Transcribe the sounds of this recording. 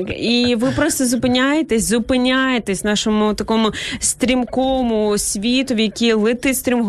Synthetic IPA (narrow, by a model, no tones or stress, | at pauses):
iʋɪpɾɔst̪ɔzʊpɪnʲajet̪esʲzʊpɪnʲajet̪esʲnɑʃɔmʊt̪ɐkɔmʊst̪ɾʲimkɔmʊsʲʋʲit̪ɔʋjɐkʲilˠɪt̪ɪst̪ɾʲimɦ